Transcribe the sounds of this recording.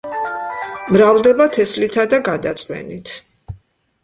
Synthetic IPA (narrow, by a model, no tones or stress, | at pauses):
mɾavlˠd̪ɛbat̪ʰɛslit̪ʰad̪aɡad̪at̪sʼqʼwɛ̰nit̪ʰ